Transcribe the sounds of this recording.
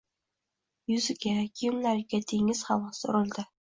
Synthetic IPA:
jʊzɪɡʲakʰʲijumlaɾɡʲad̪ʰeŋɪz̥χavɒso̰ɾʊlˠd̪ɪ

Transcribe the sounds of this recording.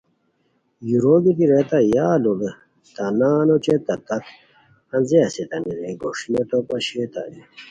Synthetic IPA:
juɾoːɡit̪iɾet̪ajaːlobe | t̪anaːnot͡ɕet̪ɐt̪ɐt̪ | ɐnzeɐset̪ɐniɾeɡoʂinet̪opɐɕet̪a̰ji

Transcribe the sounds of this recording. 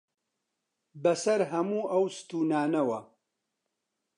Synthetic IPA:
bɐsɐɾɦɐmuːɐwsɨ̥t̪uːnaːnɐwɐ

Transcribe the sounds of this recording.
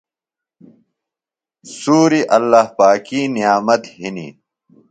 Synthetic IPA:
suːɾiʔɐlːahpaːkinijaːmɐt̪ɦinḭ

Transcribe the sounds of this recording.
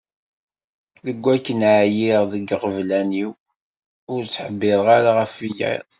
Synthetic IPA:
ðəɡʷːækːənʕajiʁðəɡʁəvlæniw | ʊɾt͡sːħəbːɪðˤʁaɾaʁəfijḭðˤ

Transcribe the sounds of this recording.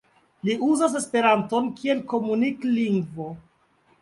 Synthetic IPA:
liuzas̬e̞spe̞ɾanto̞nkie̞lko̞munikliŋɡvo̞

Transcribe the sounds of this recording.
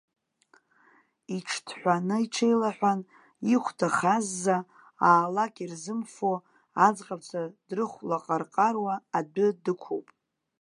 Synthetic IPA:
iʈ͡ʂʰtʰħʷᶣanɨiʈ͡ʂʰejlaħʷᶣan | iχʷtʰaχazːa | aːlakʲʼirzɨmfo | ad͡zqʼat͡sʷʰad̥rɨχʷlaqʼarqʼarwaːdʊdɨkʷʰowpʼ

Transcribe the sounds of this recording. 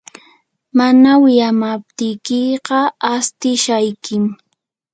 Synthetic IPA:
manawɪjamap̚t̪ɪjkɪɢɑast̪ɪʃajkɪm

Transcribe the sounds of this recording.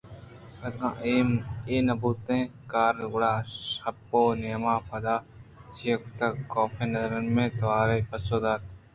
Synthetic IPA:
ɐt̪kã̰ː | eːnɐbuːt̪ẽːkaːɾɡʊɽaːʃɐpːoːneːmaːpɐd̪aː | t͡ʃijəkt̪ɐkɔːfeːnɐzɾənmẽːt̪ɐʋaːɾeːpɐsoːd̪aːt̪ː

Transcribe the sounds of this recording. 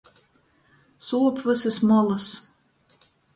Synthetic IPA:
suːɔpʰvɨsɨsmɔlˠɨs

